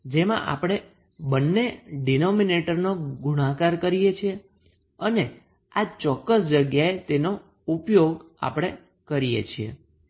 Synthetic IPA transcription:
d͡ʒemã̰ʔa̰pɽ̃e | bənːeɖinomineʈəɾnoɡuɽ̃ãkaɾkəɾijet͡ʃʰie | əne | at͡ʃɔkːəsd͡ʒəɡjaet̪eno | upjoɡ | a̰pəɽ̃e | kəɾijḛt͡ʃʰiḛ

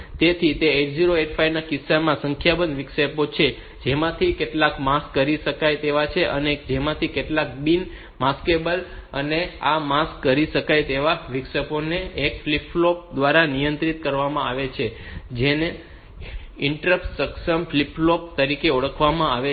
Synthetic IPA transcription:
t̪et̪ʰit̪eeʈziɾoeʈfʰajnakɪsːamãsə̃ŋkʰjabənʋɪkʃəpot͡ʃʰe | d͡ʒemãt̪ʰikeʈlakmaskːəɾiʃəkajt̪eʋat͡ʃʰeʔəned͡ʒemãt̪ʰikeʈlak̚bin | maskebələ̰neamaskːəɾiʃəkajt̪eʋaʋikʃəponeːkflipːlop̚d̪ʋaɾanijənt̪ɾit̪̚kəɾʋamãaʋet͡ʃʰed͡ʒene | ɪɳʈɾəpsəkʃəmflipːlop̚t̪əɾikeuɭəkʰʋamãaʋe

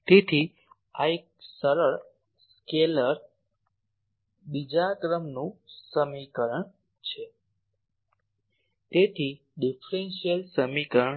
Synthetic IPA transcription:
t̪et̪ʰi | aek̚səɾəɭ | skeləɾ | bid͡ʒakɾəmnũsəmikəɾəɳ | t͡ʃʰe | t̪et̪ʰi | ɖifɾenʃijəlsəmikəɾəɳ

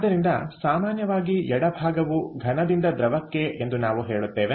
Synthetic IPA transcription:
ɐd̪ɐɾind̪ɐ̰saːmaːnjɐʋaːɡiɛɽɐbʱaːɡɐʋuɡʱɐnɐd̪ind̪ɐd̪ɾɐʋɐkːeʔend̪unaːʋuɦeːɭut̪ːeːʋe

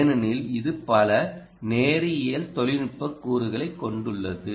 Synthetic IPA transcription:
nɐnɪlɪðɯpɐlɐ | neːɾɪjɪjɐlt̪ɔɭɪnɪʈpːɐkːuːɾɯɣɐɭɐɪkːɔɳɖɯɭːɐðɯ

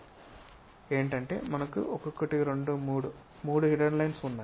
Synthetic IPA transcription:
e̞ːɳʈɐɳʈe̞̰ːmɐnɐkːṵʔokokːɐʈiɾe̞ɳɖumːɽu | muːɽuɦiʈɐɖlɐjnsunːɐ

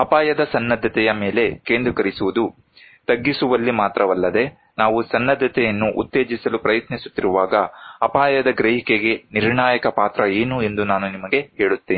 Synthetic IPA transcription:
ɐpaːjɐd̪ɐsɐnːɐd̪ʱːɐt̪ɛjɐme̞ːle̞keːnd̪ɾukɐɾisuʋud̪u | t̪ɐɡːisuʋɐlːimaːt̪ɾɐʋɐlːɐd̪e̞ | naːʋusɐnːɐd̪ʱːɐt̪ɛjɐnːuʔṵt̪ːe̞ːd͡ʒisɐlupɾɐjɐt̪nisu̥t̪ːiɾuʋaːɡɐɐpaːjɐd̪ɐɡɾeɦikeɡe̞niɾɳaːjɐkɐpaːt̪ɾɐe̞ːnue̞nd̪unaːnunimɐɡe̞ɦe̞ːɭut̪ːeːni

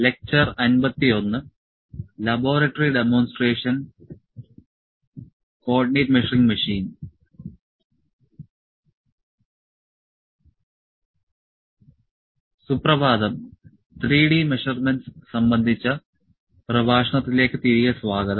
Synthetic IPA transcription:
le̞k̚t͡ɕɐrɐnbɐt̪ːio̞nːɨ | lɐbo̞ːɾɐʈːɐriɖemo̞ːnsʈreːʂɐn | ko̞ːɖineːʈmeʂɐriŋɡmɐʂiːn | suprɐʋaːd̪ɐm | t̪riːɽimeʂɐrmenɖssɐmbɐnd̪ʱit͡ɕːɐ | prɐbʱaːʂɐɳɐt̪ːile̞ːkːɨt̪iɾijɐsʋaːɡɐd̪ɐm

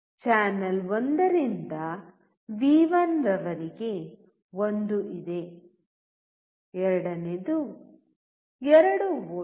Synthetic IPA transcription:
t͡ʃaːnɐlond̪ɐɾind̪ɐ | ʋiːʋɐnɾɐʋɐɾiɡe̞ | ond̪uʔid̪e̞ | ɛɾɐɽɐned̪u | ɛɾɐɽu

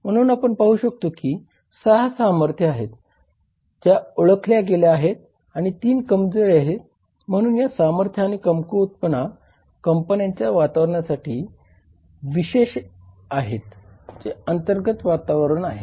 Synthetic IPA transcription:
m̤əɽ̃uːnapəɳpaɦuːɕək̚t̪okiː | səɦasaməɾt̪ʰjəaɦet̪ː | jaoɭəkʰljaɡeljaaɦet̪̚ | aɽ̃it̪iːnkəmd͡zoɾeaɦet̪ | m̤əɽ̃uːnjasaməɾt̪ʰjəaɽ̃ikəmkuut̪̚pəna | kəmpənjaɲt͡ɕjaʋat̪aʋɾəɳjasaʈʰiː | ʋiɕeɕ | aɦet̪d͡zeənt̪əɾɡət̪ʋat̪aʋəɾəɳaɦḛ

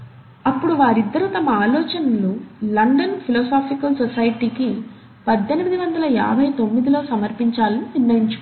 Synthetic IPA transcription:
ɐpːuɽuʋaːɾid̪ːɐɾut̪ɐmɐaːlɔːt͡ʃɐnɐlulɐɳɖɐnpʰilɔːsaːpʰikɐlsɔsɐjʈiːki | pɐd̪ʱːenimid̪iʋɐnd̪ɐlɐja̰ːbʱɐjt̪o̞mːid̪ilo̞ːsɐmɐɾpiɲt͡ʃaːlɐniniɾnɐjiɲt͡ʃu

